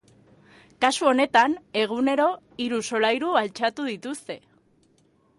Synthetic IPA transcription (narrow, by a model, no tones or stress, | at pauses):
kasuo̞ne̞t̪ane̞ɣ̞une̞ɾo̞ | iɾuso̞lajɾualt͡ʃat̪uðit̪ust̪e̞